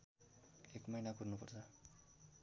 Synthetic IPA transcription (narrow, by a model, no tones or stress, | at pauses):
ekmʌjnakurnupʌrt͡sʰʌ